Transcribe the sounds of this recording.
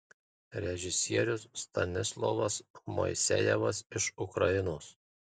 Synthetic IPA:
ɾʲɛʒʲɪsʲiɛɾʲʊsːt̪ɐnʲɪslˠɔʋɐsmɔ̰ɪsʲɛ̰jɛʋɐsɪʃʊkɾɐɪnoːs

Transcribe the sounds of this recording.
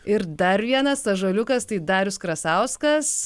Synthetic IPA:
ɪɾd̪ɐɾʋʲiɛnɐsɐʒɐːlʲʊkɐst̪ɐɪd̪ɑːɾʲʊskɾɐsɐʊskɐs

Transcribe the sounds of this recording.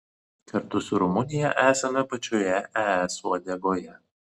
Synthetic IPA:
kʰɐɾt̪ʊsʊɾʊmʊnʲɪjɛʔæːsʲɐmʲɛpɐt͡ʃʲoːjɛʔɛɛsuɐd̪ʲeɡoːjɛ

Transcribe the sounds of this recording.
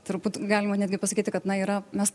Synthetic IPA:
t̪ɾʊbuːt̪ɡɑːlʲɪmɐnʲæːd̪ʲɡʲɪpɐsɐkʲiːt̪ʲɪkɐt̪nɐiːɾɐmʲɛs

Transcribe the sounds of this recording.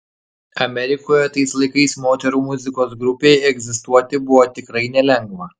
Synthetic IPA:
ɐmʲɛɾʲɪkoːjɛt̪ɐɪslˠɐɪkɐɪsmoːt̪ʲɛɾuːmʊzʲɪkoːs̬ɡɾʊpʲeːjɛɡzʲɪst̪uɔt̪ʲɪbʊʋoːt̪ʲɪkɾɐɪnʲɛlʲɛŋɡʋɐ

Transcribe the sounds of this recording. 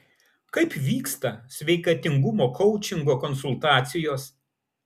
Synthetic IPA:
kɐɪpʋʲiːkst̪ɐsʲʋʲɛɪkɐt̪ʲɪŋɡʊmoːkʰɔʊt͡ʃʲɪŋɡoːkɔnsʊlˠt̪ɑːt̪sʲɪjoːs

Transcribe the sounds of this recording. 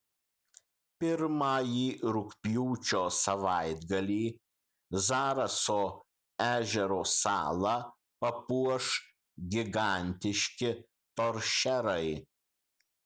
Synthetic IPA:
pʲɪɾmɑːjiːɾʊkpʲjuːt͡ʃʲoːsɐʋɑɪd̪ɡɐlʲiː | zɑːɾɐsoː | æːʒʲɛɾoːsɑ̰ːlˠɑ | pɐpuɔʃ | ɡʲɪɡɑˑnʲt̪ʲɪʃʲkʲɪ | t̪oɾʃʲɛɾɐɪ

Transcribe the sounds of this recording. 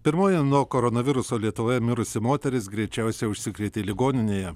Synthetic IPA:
pʲɪɾmoːjɛnuɔkoɾonɐʋʲɪɾʊsoːlʲiɛt̪ʊʋoːjɛmʲɪɾʊsʲɪmoːt̪ʲɛɾʲɪsɡɾʲɛɪt͡ʃʲæˑʊsʲɛʊʃʲsʲɪkɾʲɛɪt̪ʲelʲɪɡoːnʲɪnʲeːjɛ

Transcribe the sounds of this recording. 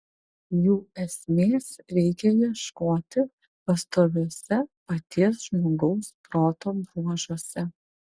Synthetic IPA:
juɛsmeːsɾɛjkʲɛjɛʃkɔːt̪ɪ | pɐst̪ɔbɛsɛpɐt̪iɛsʒmɔɡɔwspɾɑːt̪ɔnbɾuɐʒɔsɛ

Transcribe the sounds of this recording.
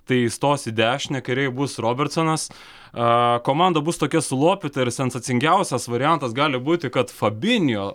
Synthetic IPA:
t̪ɐɪɪst̪oːsʲɪd̪ʲæːʃʲnʲɛkɐɪɾʲɛɪjbʊsroːbʲɛrt̪sonɐs | koːmɑnd̪ɐbʊst̪oːkʲɛsʊlˠoːpʲɪt̪ɐɪɾsʲɛnsɐt̪sʲɪŋʲɡʲɛʊsʲɛsʋɐɾʲɪjænt̪ɐsɡɑːlʲɪbuːt̪ʲɪkɐt̪fɐbʲɪnʲjoː

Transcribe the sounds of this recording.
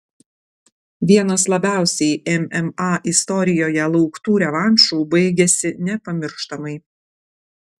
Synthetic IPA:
ʋʲiɛnɐslˠɐbʲæˑʊsʲɛjɛmɛmɑʔɪst̪ɔɾʲɪjoːjɛlˠɒʊkt̪uːɾʲɛʋɑnʲʃuːbɐɪɡʲɛsʲɪnʲɛpɐmʲɪɾʃt̪ɐmɐɪ

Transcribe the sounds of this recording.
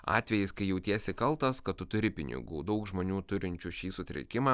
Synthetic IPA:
ɑ̰ːt̪ʲʋʲɛjɪskɐɪjɛʊt̪ʲiɛsʲɛkɐlˠt̪ɐskɐt̪t̪ʊt̪ʊɾʲɪpʲɪnʲɪ̰ɡṵːd̪ɐʊkʒmoːnʲuːt̪ʊɾʲɪnʲt͡ʃʲuʃʲiːsʊt̪ʲɾʲɛ̰kʲɪmɑ

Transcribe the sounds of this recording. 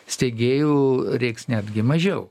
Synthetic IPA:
sʲt̪ʲeɡʲeːjuːɾʲɛɪksnʲæːd̪ʲɡʲɪmɐʒʲɛʊ

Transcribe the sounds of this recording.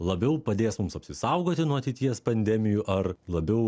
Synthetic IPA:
lˠɐbʲɛʊpɐd̪ʲeːsmʊmsɐpʲsʲɪsɐʊɡoːt̪ʲɪnuɔɐt̪ʲɛɪt̪ʲiɛspɐnʲd̪ʲɛmʲɪjuːʔɐrlˠɐbʲɛʊ

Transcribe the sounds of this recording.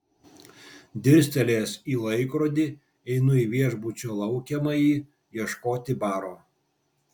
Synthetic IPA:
d̪ʲɪɾʲsʲt̪ʲɛlʲeːsiːlˠɐɪkɾoːd̪ʲɪ | ɛɪnʊiːʋʲiɛʒbʊt͡ʃʲoːlˠɐʊkʲɛmɐjiː | jiɛʃkoːt̪ʲɪbɑːɾoː

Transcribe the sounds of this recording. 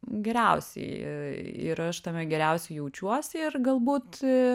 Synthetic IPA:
ɡʲɛɾʲɛʊsʲɛ̰ɪ | ɪ̰ɾɐʃt̪ɐmʲɛɡʲɛɾʲɛˑʊsʲɛɪjɛʊt͡ʃʲuɔsʲɪɪrɡɐlˠbuːt̪

